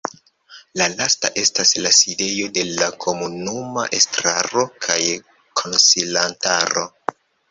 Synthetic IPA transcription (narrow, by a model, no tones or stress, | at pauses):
lalasta̰ʔe̞staslaside̞jo̞de̞lakʰo̞munuma̰ʔestɾa̰ɾo̞kʰaj | kʰonsilantaɾo̞̰